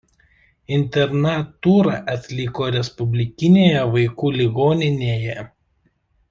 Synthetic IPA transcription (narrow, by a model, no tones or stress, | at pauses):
ɪnʲt̪ʲɛɾnɐt̪uːɾɐʔɐt̪ʲlʲɪˑkoːɾʲɛspʊbʲlʲɪkʲɪnʲeːjɛʋɐɪkuːlʲɪɡoːnʲɪnʲeːjɛ